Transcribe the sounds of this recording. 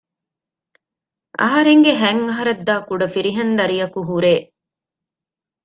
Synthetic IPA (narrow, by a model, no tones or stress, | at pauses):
ʔɐ̰ɦɐɾeŋɡeɦæŋːɐɦɐɾɐd̪ːaːkuɖɐfiɾiɦɐnd̪ɐɾijɐkuɦuɾeː